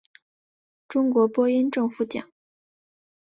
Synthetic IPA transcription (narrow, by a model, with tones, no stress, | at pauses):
ʈ͡ʂʊ˥ŋkwɔ˧˥pwɔ˥i˥nʈ͡ʂɤ˥˧ŋfu˥˩t͡ɕjɑ̰˨˩˦ŋ